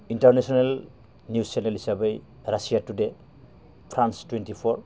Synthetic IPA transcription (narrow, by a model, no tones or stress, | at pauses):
intaɾnesonel | njusenelisabej | ɾasijatude | pʰɾanstwentipʰɔɾ